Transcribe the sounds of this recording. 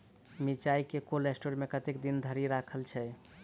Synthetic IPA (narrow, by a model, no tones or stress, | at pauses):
mit͡ʃaikekolesʈoɾmekət̪ekd̪ind̪ʱəɾiɾakʰəlt͡ʃʰɛ